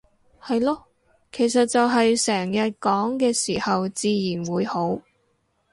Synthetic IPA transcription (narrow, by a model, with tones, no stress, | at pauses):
hɐ˨jlɔː˥ | kʰe˨˩jsɐ˨t̚t͡sɐ˨wɦɐ˨jsɛː˨˩ŋjɐ˨t̚kɔː˨˥ŋkɛː˧siː˨˩hɐ˨wt͡siː˨˧jiː˨˩nwuː˨˧jho˨˥w